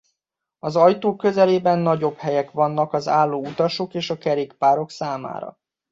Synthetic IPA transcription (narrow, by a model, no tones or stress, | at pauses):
ɒzɒjt̪oːkːø̞zɛleːbɛnːɒɟo̞bhɛjɛkʋɒnːɒkɒzaːlːoːut̪ɒʃo̞keːʃɒkɛɾeːkpaːɾo̞ksaːma̰ːɾɒ̰